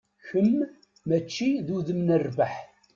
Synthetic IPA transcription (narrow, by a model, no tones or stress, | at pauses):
çəmː | æt͡ʃːiðuðəmnərbaħ